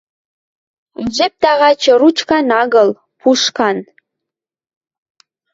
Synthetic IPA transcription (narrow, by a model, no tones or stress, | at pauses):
nʲʒep̚t̪ɑʁɑt͡ɕɤ̆rut͡ɕkɑnɑɣɤ̆l | pʰuʃkɑn